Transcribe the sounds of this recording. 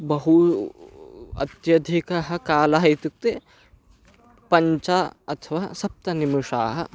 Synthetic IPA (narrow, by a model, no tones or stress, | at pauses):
bɐɦu | ɐ̰t̪jɐd̪ʱikɐɦɐ̆kaːlɐɦɐjt̪uk̚t̪e | pɐɲt͡ʃaːɐt̪ʰɐʋaːsɐp̚t̪ɐnimuʂa̰ːɦɐ̰